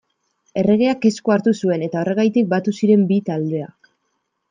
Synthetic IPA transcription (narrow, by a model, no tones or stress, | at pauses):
e̞re̞ɣ̞e̞ake̞skoaɾt̪usue̞ne̞t̪ao̞re̞ɣ̞ajt̪ik̚bat̪usiɾe̞mbit̪ald̪e̞ak